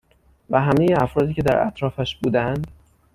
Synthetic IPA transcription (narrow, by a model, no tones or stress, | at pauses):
væɦæmejeæfɾɒːd̪iːcʰed̪æɾæ̰t̪ʰɾɒːfæʃbuːd̪ænd̪